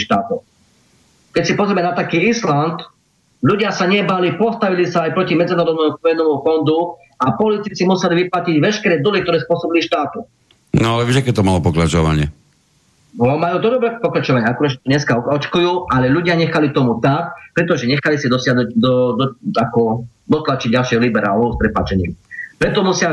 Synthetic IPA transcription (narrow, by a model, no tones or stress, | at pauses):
ʃt̪aːt̪ɔ | kɛcsipɔzɾʲɛmɛnat̪akiːislant̪ | ʎuɟɪasaɲɛbalipɔst̪aʋilisaːjpɾɔcimɛd͡zinaɾɔd̪nɛmuɔjɛnɛːmufɔnd̪u | apɔlit̪it͡simusɛliʋiplaciɟʋɛʃkɛɾɛːd̪ulik̚t̪ɔɾɛːspʊɔsɔbiliʃt̪aːt̪u | nɔalɛʋɛʒakɛt̪ɔmalɔpɔkɾat͡ʃɔʋa̰ɲɪɛ̰ | ɔmajuːt̪ɔd̪ɔbɾɛpɔkɾat͡ʃɔʋaɲɪɛakuɾad̪ʒɛt̪ɔɲɛskaɔt͡ʃkujuːʔalɛʎuɟɪaɲɛxalit̪ɔmut̪akpɾɛt̪ɔʒɛɲɛxalisid̪ɔsɪaɦnuɟd̪ɔd̪ɔakɔ | d̪ɔt̪lat͡ʃiɟɟalʃɪɛɦɔlibɛɾa̰ːlɔʊspɾɛpa̰ːt͡ʃɛɲḭːmpɾɛt̪ɔmusɪa